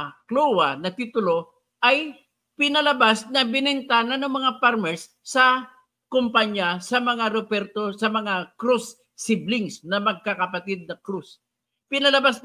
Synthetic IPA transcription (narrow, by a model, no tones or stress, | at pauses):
klowɐnɐt̪it̪ʊlo̞ | ʔɐj | pɪnɐlɐbasnɐbɪnɛnt̪anɐnɐŋmɐŋapaɾmɛɹsːɐ | kompaɲjasɐmɐŋaɾopɛɾt̪osɐmɐŋakɾusː | ɪblɪŋsnɐmɐɡ̚kakɐpɐt̪ɪd̪̚nɐkɾus | pɪnɐlɐbas